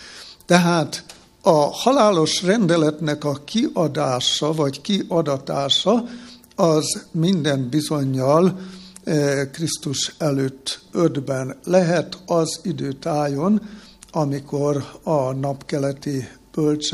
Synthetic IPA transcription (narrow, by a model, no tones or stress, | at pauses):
t̪ɛɦaːt̪ | ɒhɒlaːlo̞ʃrɛnd̪ɛlɛt̪nɛkɒkiʔɒd̪aːʃɒvɒckiʔɒd̪ɒt̪aːʃɒ | ɒzmind̪ɛnbizo̞ɲːɒl | krist̪uʃɛløːt̪ːød̪bɛnlɛɦɛt̪ʰɒzid̪øːt̪aːjo̞n | ɒmikorɒnɒpkɛlɛt̪ib̥ølt͡ʃ